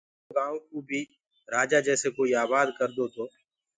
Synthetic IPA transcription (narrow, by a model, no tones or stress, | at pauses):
ɡãːõːkoːbʱiː | ɾaːd͡ʒaːd͡ʒɛːseːkoːiːaːβaːd̪kəɾd̪oːt̪ʰoː